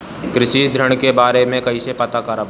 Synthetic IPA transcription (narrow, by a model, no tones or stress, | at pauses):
kɾɪʃid̪ʱɾəɽ̃kebaːɾemẽkɐisepɐt̪akaɾab